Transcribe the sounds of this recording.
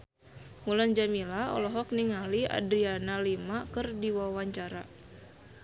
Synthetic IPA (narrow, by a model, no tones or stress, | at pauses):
muland͡ʒamilaɔ̰lɔɦɔk̚niŋalia̰dɾianalimakɨrdiwawaɲt͡ʃaɾa̰